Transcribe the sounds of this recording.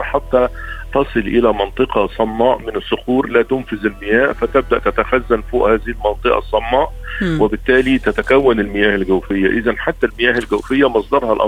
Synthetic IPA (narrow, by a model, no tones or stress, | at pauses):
ħat̪ːæt̪ɑsˤɨlʔɪlæmɑnt̪ˤɨqɑsˤɑmːɑːʔmɪnɪsːʊxuːɾlæːt̪ʊnfɪzɪlmɪjæːʔfæt̪ɪb̚d̪æʔt̪æt̪æxæzːænfoːʔhaːzɪhɪlmɑnt̪ˤɨʔɑ̰sˤːɑmːɑːʔwɪbɪt̪ːæːlit̪æt̪ækæwːænɪlmɪjæːhɪlɡæwfɪjːæʔɪzænħat̪ːælmɪjæːhɪlɡæwfɪjːæmɑsˤd̪ɑɾˤhɑlʔɑ̰